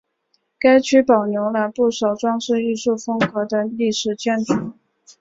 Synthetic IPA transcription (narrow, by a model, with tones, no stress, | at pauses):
ka˥ɪt͡ɕʰy˥pɑ˨˩ʊnjʊ˧˥ŋlə˧pu˥˩ʂɑ˨˩ʊʈ͡ʂwɑ˥ŋʂɻ̩˥˧i˥˧ʂu˥˩fɤ˥ŋkɤ˧˥d̪ə˧li˥˩ʂɻ̩˨˩t͡ɕjɛ˥˩nʈ͡ʂʰu˧˥